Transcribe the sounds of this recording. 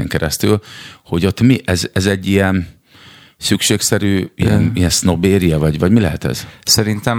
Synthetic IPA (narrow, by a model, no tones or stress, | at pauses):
ɛ̰ŋkɛɾɛst̪y̰lho̞ɟo̞t̪miʔɛzɛzɛɟːijɛn | sykʃeːksɛɾyːijɛ̰niɛnsno̞beːɾijɛvɒɟvɒɟmilɛɦɛt̪ɛ̰z̥sɛɾint̪ɛm